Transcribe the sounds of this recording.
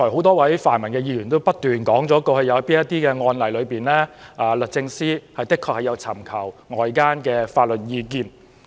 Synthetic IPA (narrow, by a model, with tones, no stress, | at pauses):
ɔ˨˩ho˨˥wt̪ɔː˥wɐ˨˥jfaː˨˩nmɐ˨˩nkɛː˧jiː˧jyː˨˩nt̪o˥wpɐ˥t̚t̪yː˨˩nkɔː˨˥ŋt͡sɔː˨˥kɔː˧hɵ˨˧jɐ˨˧wɐ˥piː˥njɐ˥t̪iː˥kɛː˧ŋɔː˧nlɐ˨jlɵ˨˧ɥpiː˨nlɛː˥ʔaː˨˩lɵ˨t̚t͡sɪ˧ŋsiː˥hɐ˨jt̪ɪ˥kʰːɔː˧k̚hɐ˨˩jɐ˨˧wt͡sʰɐ˨˩mkʰɐ˨˩wŋɔː˨jkaː˥nkɛː˧faː˧t̚lɵ˨t̚jiː˧k̬iː˧n